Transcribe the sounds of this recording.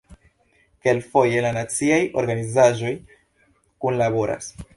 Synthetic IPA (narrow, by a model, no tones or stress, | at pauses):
ke̞lfo̞je̞lanat͡siajo̞̰ɾɡanizaʒo̞j | kunlabo̞ɾʔa̰s